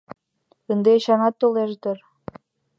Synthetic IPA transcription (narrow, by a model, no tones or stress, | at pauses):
ənd̪eɕɑnɑt̪ːoleʒd̪ər